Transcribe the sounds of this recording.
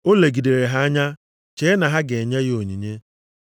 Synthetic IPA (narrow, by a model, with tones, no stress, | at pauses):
o˦le˨ɡi˨de˨ɾe˨ɦa˦a˦ɲa˦ | t͡ʃe˦na˨ɦa˦ɡe˨ɲa˦ɣɪ˦o˨ɲi˨ɲe˦